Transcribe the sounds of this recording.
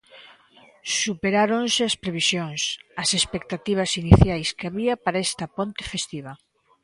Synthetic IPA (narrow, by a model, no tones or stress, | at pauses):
supeɾaɾonsɪɐspɾeβisjoŋsɐsespek̚t̪at̪iβ̞ɐsiniθjajskeaβiɐpaɾaɛst̪ɐpont̪ɪ̥fest̪iβɐ